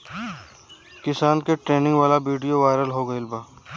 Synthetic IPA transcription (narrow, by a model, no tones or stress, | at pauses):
kɪsaːnkeʈɾeːnɪ̃ŋɡʋaːlabiːɖijoʋaːɪɾəlɦoːɡɐɪlbaː